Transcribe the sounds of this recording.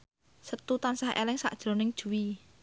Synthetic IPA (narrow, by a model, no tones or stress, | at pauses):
sət̪ut̪ansahḛlɪŋsa̰ʔd̥ʒ̥ɾo̤nɪŋd̥ʒ̥ṳwi